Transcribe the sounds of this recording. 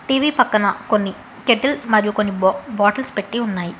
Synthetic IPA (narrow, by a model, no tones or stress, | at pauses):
ʈiːʋiːpɐkːɐnɐko̞nːi | keʈːilmɐɾijukonːibaːʈɐlspeʈːiunːaːji